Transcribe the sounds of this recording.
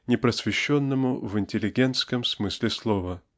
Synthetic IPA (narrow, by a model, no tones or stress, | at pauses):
nʲɪpɾəsvʲɪɕːonːəmʊvɪnʲtʲɪlʲɪɡʲe̞nt̪skəmsmɨsʲlʲɪslˠovə